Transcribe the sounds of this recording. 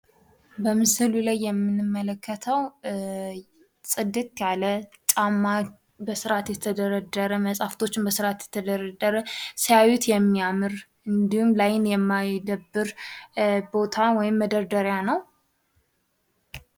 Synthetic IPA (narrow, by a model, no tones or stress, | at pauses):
bəmɨsɨlulajːɛmːɨnɨmːələkːət̪ʰəw | sʼɨd̪ːɨt̪ʼʰalət͡ʃʼamːa | bəsɨɾat̪jɛt̪ʰəd̪əɾəd̪ːəɾəməsʼaft̪ʰo̞t͡ʃːɪmbəsɨɾat̪jɛt̪ʰəd̪əɾəd̪əɾəsəjawɛt̪jɛmːiamɨɾ | ɨnd̪ihumlajɪnjɛmːajd̪əbːɨɾ | bo̞t̪ʰawɔjɪmːəd̪əɾd̪əɾjanəw